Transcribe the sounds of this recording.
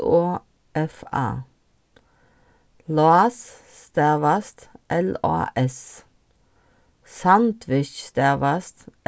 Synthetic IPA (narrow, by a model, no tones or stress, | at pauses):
oː | ʔɛfɑ̰ː | loɑs | st̪æʋɑst̪ʔɛlɑ̰ːʔɛs | sɑnt̪ʰʋɪʃst̪æːʋɑst̪